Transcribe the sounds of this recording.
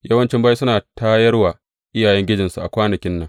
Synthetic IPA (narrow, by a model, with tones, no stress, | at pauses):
jɐ˦wɐ˦nt͡ʃɪ˦mba˦i˦sʊ˦naː˨tʰaː˦jɐ˦rwaː˨ | ʔɪ˦jaː˨jɛ˦ŋɡʲɪ˦d͡ʒɪ˨nsu˨ʔa̰˨kʷaː˦nɐ˨kʲɪ˦nːɐ˦ŋ